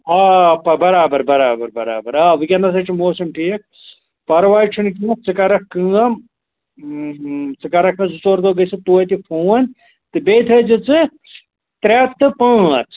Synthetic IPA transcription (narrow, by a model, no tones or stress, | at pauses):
aːpɐbɐɾaːbɐɾbɐɾaːbɐɾbɐɾa̰ːbɐɾaːʋɨkʲɐnɐs̬ɐt͡ʃʰimoːsɐmʈijɐk̚ʰ | pɐɾʋaːit͡ʃʰunkiɐkt͡sɨkɐɾɐkːɨɐm | t͡sɨkɐɾɐkʰɐ̃zut͡soːɾd̪oɡɐjsɨt̪uːɐt̪ifʰuːɐnʲ | t̪ɨbeːt̪ʰɐd͡ʒɨt͡sɨ | t̪ɾeːt̪ːɨpɐ̃ɐt͡s